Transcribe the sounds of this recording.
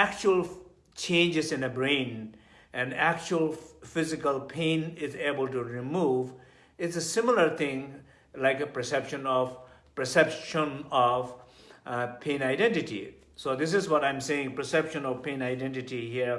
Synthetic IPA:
æk̚t͡ʃuəlˠ | t͡ʃʰẽɪ̃nd͡ʒɪzɪ̃nəbɹẽɪ̃n | ɛ̃næk̚t͡ʃuəlˠfɪzɪkəlpʰẽɪ̃nɪzeːbəltuɹimuv | ɪtsəsɪ̃mɪləɾt̪ʰɪ̃ŋ | laɪkəpə˞sɛpʃə̃nɔvpə˞sɛpʃə̃nɔv | pʰẽːnaɪdɛ̃ntɪʈḭ | sod̪ɪs̬ɪzwɔɾãɪ̃mseɪ̃ŋpə˞sɛpʃə̃nɔvpʰẽːnaɪdɛ̃ntɪʈihiəɹ

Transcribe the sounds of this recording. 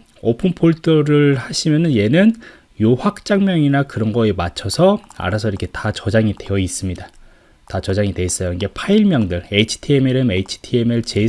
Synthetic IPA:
opʰɯnpʰoɭtʰɯɾɯɭhaɕʰimjʌnɯnje̞nɯn | joɸwak̚t͡ɕ͈aŋmjʌŋinakɯɾʌnɡʌemat͡ɕʰʌsʰʌa̰ɾasʰʌiɾʌkʰetat͡ɕʌd͡ʑaŋide̞jʌis͈ɯmɲida | tat͡ɕʌd͡ʑaŋidwe̞is͈ʌjʌinɡe̞pʰaiɭmjʌŋdɯɭeit͡ɕʰi̥tʰiemeɾɯmeit͡ɕʰi̥tʰiemeɭt͡ɕe̞

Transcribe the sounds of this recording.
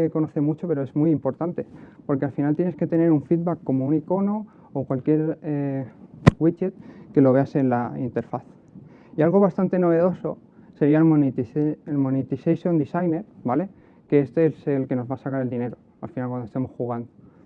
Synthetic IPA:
ko̞noθemut͡ʃo̞pe̞ɾo̞e̞zmujimpo̞ɾt̪ant̪e̞po̞ɾke̞alfinalt̪jeneske̞t̪e̞ne̞ɾuɱfid̪bakːo̞mo̞uniko̞no̞ː | kwalkje̞ɾe | wit͡ʃet̪̚ke̞lo̞βe̞ase̞nlaint̪e̞ɾfaθ | ialɣo̞β̞ast̪ant̪e̞no̞β̞e̞ð̞o̞so̞ | se̞ɾialo | elmonit̪isejʃjo̞nd̪isajne̞ɾbale̞ | ke̞est̪eeselke̞no̞zβasakaɾeld̪ine̞ɾo̞ | a̰lfinalkwand̪oest̪emo̞sxuɣ̞and̪o

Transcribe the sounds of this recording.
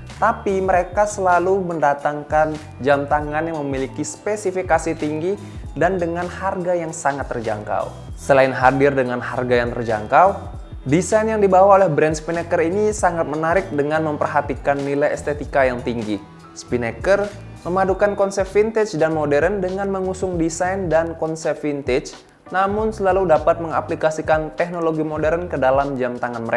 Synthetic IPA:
t̪apiməɾekasəlaluməndat̪aŋkan | d͡ʒamt̪aŋanjaŋməmilikispesifikasit̪iŋɡi | dandəŋanharɡajaŋsaŋat̪ːərd͡ʒa̰ŋka̰w | səlaɪnɦadɪrdəŋanɦarɡajaŋt̪ərd͡ʒa̰ŋkaw | disanjaŋdibawaolɛhbɾɛnspinekərinisaŋat̪̚mənaɾɪk̚dəŋanməmpərɦat̪ikanːilajɛ̰st̪et̪ikajaŋt̪iŋɡi | spinekər | məmadukankɔnsɛp̚fint̪ɛt͡ʃdanmodɛɾəndəŋanməŋusʊŋdisajndankɔnsɛp̚fint̪ɛt͡ʃ | namʊnsəlaludapat̪̚məŋa̰plikasikant̪ɛk̚noloɡimodɛɾənkədalamd͡ʒamt̪aŋanməɾea

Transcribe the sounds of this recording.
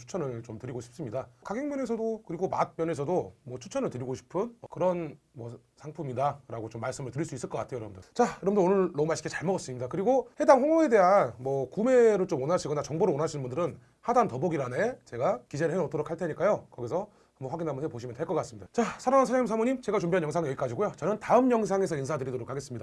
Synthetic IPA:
t͡ɕʰu̥t͡ɕʰʌnɯɭt͡ɕomtɯɾiɡoɕʰi̥p̚s͈ɯmɲidakaɡjeŋmjʌne̞s̬ʰʌdokɯɾiɡoma̰t̚mjʌne̞sʰʌdomwʌt͡ɕʰu̥t͡ɕʰʌnɯɭtɯɾiɡoɕʰi̥pʰɯnʌkɯɾʌn | mwʌ | sʰaŋpʰumidaɾaɡot͡ɕomːaɭs͈ɯmɯɭtɯɾiɭs͈uis͈ɯɭk͈ʌk͈atʰeojʌɾʌbndɯt͡ɕajʌɾʌmndɯonɯɭːomaɕʰik͈ʰet͡ɕaɭmʌɡʌts͈ɯmɲidakɯɾiɡohe̞daŋɸoŋoe̞de̞ɦanmwʌkume̞ɾoɭt͡ɕomwʌnaɕʰiɡʌnat͡ɕʌŋboɾɯɭwʌnɦaɕʰinbundɯɾɯn | hadantʌboɡiɾanet͡ɕe̞ɡakid͡ʑe̞ɾɯɭhenot͈ʌɾokʰaɭtʰɲik͈ajokʌɡisʰʌ | amoɸwaɡinɦamɯnɦepoɕ̬ʰimjʌntʰeɭk͈ʌk͈as͈ɯmɲidat͡ɕasʰaɾaŋansʰaaɲimsʰamoɲimt͡ɕe̞ɡat͡ɕumbiɦanjʌŋs̬ʰaŋjʌɡik͈ad͡ʑiɡojot͡ɕʌnɯntaɯmjʌŋs̬ʰaŋe̞sʰʌins̬ʰadɯɾidoɾokʰːaɡe̞s͈ɯmɲida

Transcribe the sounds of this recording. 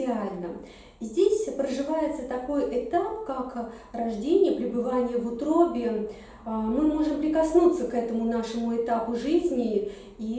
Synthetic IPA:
ɪalʲnə | zʲdʲesʲpɾəʐɨvajɪt̪sət̪ɐko̞jʔɪt̪apkak | rɐʐdʲenʲɪjəpɾʲɪbɨvanʲɪjəvʊt̪ɾobʲɪ | mɨmo̞ʐɨmpɾʲɪkɐsnut̪səkɛt̪əmʊnaʂɨmʊɪt̪apʊʐɨzʲnʲɪ | i

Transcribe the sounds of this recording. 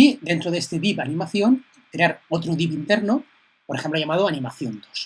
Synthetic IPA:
id̪e̞nt̪ɾoðest̪eβipanĩmaθjon | kɾeaɾot̪ɾoðipint̪eɾno | poɾexemploʝamað̞oanimaθjont̪o̥s

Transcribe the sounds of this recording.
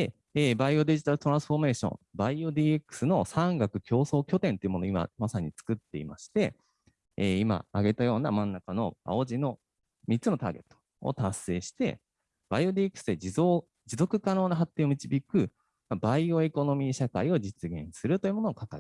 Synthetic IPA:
d̪e | eːbaio̞d̪e̞ʑit̪aɾɯ̟t̪o̞ɾãsɨ̥ɸo̞me̞ːɕõ̞̰mbaiod̪ʲiːekːɯ̟̥sɨno̞sãŋɡakɯ̟kʲo̞ːso̞ːkʲo̞t̪ẽ̞nt̪o̞jiɯ̟mo̞noima̰masaɲ̟it͡sɨ̥kɯ̟t̪ːe̞̰ḭmaɕi̥t̪e̞ | eːima̰aɡe̞t̪ajo̞ːnamãnːakano̞̰a̰o̞ʑino̞ | mʲitt͡sːɨno̞t̪a̰ːɡe̞̰t̪ːo̥ | o̰t̪asːe̞ːɕi̥t̪e̞̰ | b̥aio̞d̪ʲiekːɯ̟sɨd̪e̞d͡ʑio | d͡ʑizo̞kɯ̟kano̞ːnaɦat̪ːe̞ːo̞mʲit͡ɕibʲikɯ̟ | mabaioe̞ko̞no̞mʲiɕakaio̞d͡ʑit͡sɨɡẽ̞̰ɰ̃sɨɾɯ̟t̪ojɯ̟ːmo̞noːkakaɾ

